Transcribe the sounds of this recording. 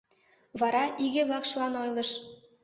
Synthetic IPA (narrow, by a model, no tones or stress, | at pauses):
vɑɾɑʔiɡʲɘ̆βɑqʃ̆lˠɑnojlˠɤ̆ʃ